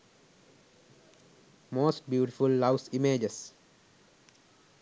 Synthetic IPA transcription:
moːsʈ̚bjuːʈifulːaʊsimeːd͡ʒes

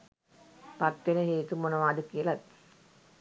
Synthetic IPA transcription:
pat̪ʋenəɦeːt̪umonəʋaːdukiəlat̪ː

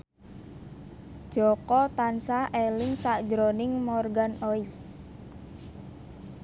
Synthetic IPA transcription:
ʒ̥ɔkɔt̪ansahʔelɪŋsaʔd̥d͡ʒɾonɪŋmɔrɡanoi

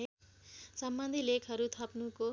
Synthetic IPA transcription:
sʌmbʌnd̪ʱilekʰʌɾut̪ʰʌpnuko

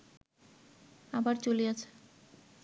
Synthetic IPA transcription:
abaɾt͡ɕoliat͡ɕʰe̥

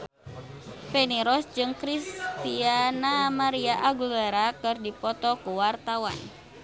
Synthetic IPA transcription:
pɛniɾɔsd͡ʒɨŋkɾist̪ianamaɾiaʔaɡulɛɾakɨrdipɔt̪ɔkuwart̪awa̰n

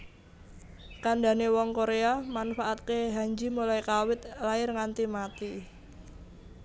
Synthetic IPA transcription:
kaɳdanewɔŋkoɾeamanfaʔat̪̚keɦaɲd͡ʒimulaikawɪt̪̚laɪrŋant̪imat̪i

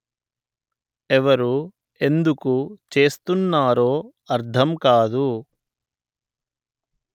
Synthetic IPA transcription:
ɛʋɐɾu | e̞nd̪ukut͡ʃe̞ːst̪unːaːɾoː | ɐɾd̪ʰʱɐmkaːd̪u

